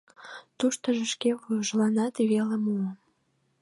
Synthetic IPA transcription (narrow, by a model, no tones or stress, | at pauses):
t̪uʃt̪əʒə̆ʃkeβujəʒlɑnɑt̪βelemuə